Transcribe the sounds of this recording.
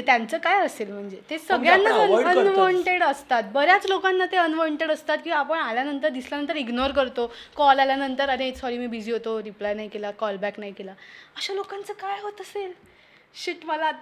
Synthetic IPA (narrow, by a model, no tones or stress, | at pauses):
t̪jant͡səːkajəselm̤əɳd͡zet̪esəɡɭjanːaənuʋɔɳʈeɽəst̪at̪̚bəɾjat͡slokanːat̪eənʋɔɳʈeɽəst̪at̪̚kĩʋaapəɳaljanənt̪əɾd̪isljanənt̪əɾiɡnoɾkəɾt̪okɔlaljanənt̪əɾanisɔɾiːmiːbid͡ʑiːɦot̪oɾiplajnajkelakɔlbæknajkelaəɕalokãnt͡səkajɦot̪əsel | ɕiʈməla